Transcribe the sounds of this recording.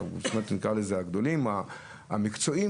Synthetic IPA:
ṵsmat̪nikʁalezeaɡd̪o̞lima | a̰mikt͡so̞i

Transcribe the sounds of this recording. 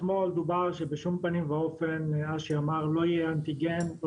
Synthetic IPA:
moald̪ubaʁʃebeʃumpanimvao̞fenaʃeamaʁlo̞jiant̪iɡen

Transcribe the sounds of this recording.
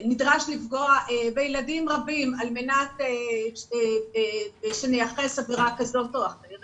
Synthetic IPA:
nidʁaʃlifɡoaebejeladimʁabimalmenat̪e | beʃenejaχesaviʁakazotoaχeʁ

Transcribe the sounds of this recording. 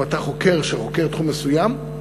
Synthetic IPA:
at̪aχoke̞ʁʃeχo̞ke̞ʁt̪χumːesujam

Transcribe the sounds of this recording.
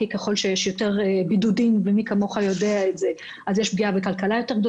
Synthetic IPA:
ikeχo̞lʃejeʃjo̞te̞ʁbidudimvemikamo̞χajo̞deaetze | azjeʃbɡiabekalkalajo̞te̞ɡ̚d̪o

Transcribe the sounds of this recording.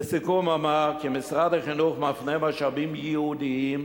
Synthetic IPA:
sɪkumamaʁkɪmɪsʁadaχɪnuχmafnemaʃabimjəudiim

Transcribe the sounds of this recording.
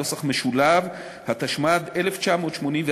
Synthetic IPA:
osaχmeʃulav | hat̪aʃmad̪e̞le̞ft͡ʃamo̞ːt̪ʃmo̞nimve

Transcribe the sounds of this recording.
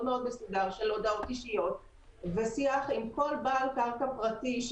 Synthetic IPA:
dmeo̞d̪mesudaʁʃe̞lod̪aot̪iʃijo̞t̪ | vesiaχimko̞lbaːlkaʁkapʁatiʃ

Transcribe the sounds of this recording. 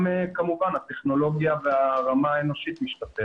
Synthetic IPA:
mekamuvanhat̪eχno̞lo̞ɡjaveaʁamaeno̞ʃit̪miʃt̪ate

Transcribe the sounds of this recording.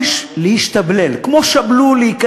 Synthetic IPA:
ʃlehiʃt̪ablelkmoʃabluleik

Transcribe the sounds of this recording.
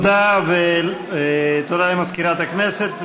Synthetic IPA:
d̪ave | t̪od̪alemaskiɾat̪akneset̪

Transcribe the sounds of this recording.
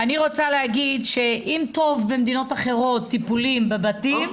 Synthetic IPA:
aniʁot͡salehaɡidʃe̞ʔimt̪o̞vbemd̪ino̞taχe̞ʁo̞t̪ːipulimbebatim

